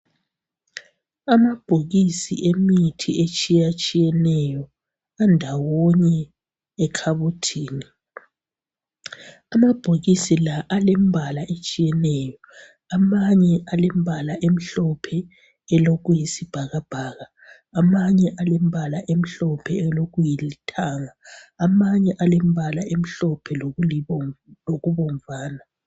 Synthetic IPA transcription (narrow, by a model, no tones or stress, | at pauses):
amab̥ʱoɣisḭʔemitʰiet͡ʃʼijat͡ʃʼijɛnɛjɔ | andʱawoɲɛː | kʰaβutʰiːni | amab̥ʱoɣisilaʔalembʱalaʔet͡ʃʼijɛnɛːjɔ | amaɲɛʔalem̩bʱalaʔem̩ɬɔpʰɛ | ɛloɣujisib̥ʱaɣab̥ʱaːɣaː | maɲɛʔalem̩bʱalaʔem̩ɬɔpʰɛɛloɣujilitʰʼaːŋaːmaɲɛʔalem̩bʱalaʔem̩ɬɔpʰɛlo | loɣuβɔɱvaːna